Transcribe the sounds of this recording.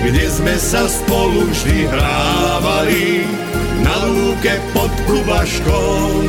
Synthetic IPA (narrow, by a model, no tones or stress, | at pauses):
ɡɲɛzmɛsaspɔluʒd̪iɦɾaːʋali | naluːkɛpɔt̪plubaʃkɔ